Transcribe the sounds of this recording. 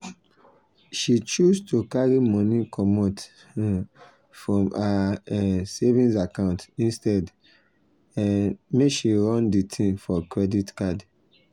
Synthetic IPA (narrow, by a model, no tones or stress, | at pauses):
ʃit͡ʃustukaɹimɔ̃nikʰɔmot | fɹɔ̃ma | sevĩnsakãʊ̃ntĩnstɛd | anmeʃiɹɔ̃nditʰĩmfɔkɹɛditkad